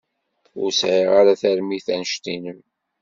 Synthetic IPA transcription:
ʊɾsʕiʁaɾaθæɾmiθænəʃt̪inəm

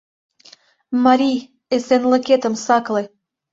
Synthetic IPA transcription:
mɑɾij | esenlɤket̪ə̆msɑkle

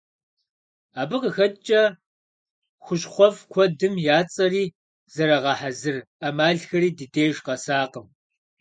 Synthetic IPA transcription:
aːbɨqəxɐt͡ʃʼɐ | xʷʊɕʼχʷɔfkʷʰɔdɨmjaːt͡sʼɐriː | z̥ɐɾɐʁɑħazɨr | ɐmaːɮxɐɾiːdɨdeːjʒqɐsaːqəm

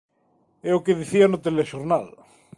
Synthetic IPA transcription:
eokeðiθianot̪eleʃoɾnal

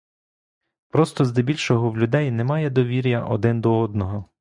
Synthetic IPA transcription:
pɾɔst̪ɔzd̪ɪbʲilʲʃɔɦɔwlʲʊd̪ɛjnemɑjɛd̪ɔʋʲiɾʲjɐʔɔ̰d̪ɪnd̪ɔɔd̪̚nɔɦɔ

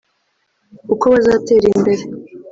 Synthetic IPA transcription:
ukoβazate̞ːɾimbe̞ɾe

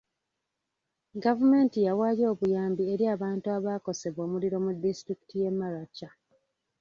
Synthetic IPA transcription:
ɡavume̞ːntijawaːjo̞ːβujaːmbie̞ɾiaːβaːntuaβaːko̞se̞βwo̞ːmuliɾo̞mudːistɾiki̥tʰije̞mːalacːa

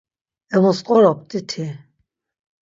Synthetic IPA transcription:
ɛmɔsqʼɔɾɔp̚t̪ʼit̪ʰi

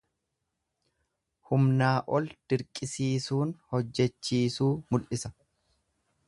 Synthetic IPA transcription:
hʊmnaːʔɔld̪̥ɪɾkʼɪsiːsuːnhɔd͡ʒːɛt͡ʃːiːsuːmʊlʔɪsɐ

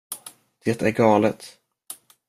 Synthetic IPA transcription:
d̪̥eːt̪æɾɡɑːlət̪

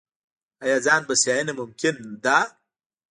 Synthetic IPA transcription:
ajazaːnbɐsjajinemʊmkɪnd̪a

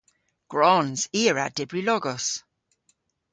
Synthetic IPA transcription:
ɡ̥ɹɔnz̥iːəɹa̰dɪbɹilɔɡɔs

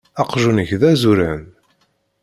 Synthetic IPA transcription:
ɑqʒunəçðæzuɾæn

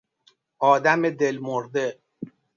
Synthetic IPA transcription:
ɒːd̪æmed̪elmoɾd̪e

